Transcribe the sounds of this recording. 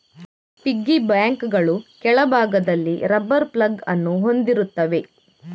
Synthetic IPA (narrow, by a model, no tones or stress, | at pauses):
piɡːibaːŋkɡɐɭukɛɭɐbʱaːɡɐd̪ɐlːiɾɐbːɐɾplɐɡɐnːuɦo̞nd̪iɾut̪ːɐʋe̞